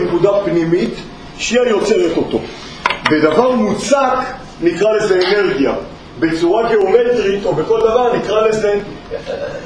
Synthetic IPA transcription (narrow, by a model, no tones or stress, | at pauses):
nkud̪apnimit̪ | ʃiajo̞t͡se̞ʁet̪o̞t̪o̞ | bed̪avaʁmut͡sak | nikʁale̞zeːne̞ʁɡja | be̞t͡suʁaɡe̞omet̪ʁit̪obeko̞ld̪avaʁnikʁaleze